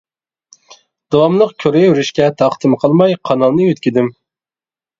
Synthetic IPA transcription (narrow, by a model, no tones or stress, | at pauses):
d̪̥ɑwɑmlˠəqkʲʰøɾejwɾyʃkʲɛt̪ʰɑχt̪ɨmqʰəlˠmɑjqʰɑnɑlˠnɨjøt̪kʲid̪ɪm